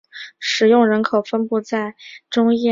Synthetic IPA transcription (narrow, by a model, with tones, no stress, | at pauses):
ʂɻ̩˨˩jʊ˥˩ŋɻə˧˥nkʰo˨˩ʊfə˥npu˥˧t͡sa˥˩ɪʈ͡ʂʊ˥ŋjɛ˥˩